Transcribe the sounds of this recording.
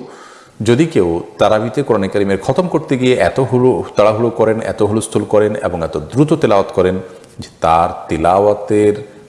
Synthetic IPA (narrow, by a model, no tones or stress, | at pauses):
d͡ʑod̪ikewt̪aɾabit̪ekoɾanakaɾimeɾkʰɔt̪omkoɾt̪eɡieʔɛt̪oɦulot̪aɽaɦulokɔɾenɛ̰t̪oɦulost̪ʰulkɔɾenḛboŋɛt̪od̪ɾut̪ot̪ilaat̪kɔɾen | d͡ʑet̪aɾt̪ilawat̪eɾ